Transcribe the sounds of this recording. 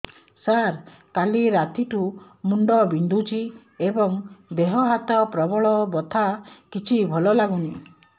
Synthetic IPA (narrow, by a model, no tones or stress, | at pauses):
saɾ | kaliɾat̪iʈu | muɳɖɔbind̪ʱut͡ʃʰi | ebɔŋb̪eɦɔɦat̪ɔpɾɔbɔɭɔbɔt̪ʰakit͡ʃʰibʱɔlɔlaɡuni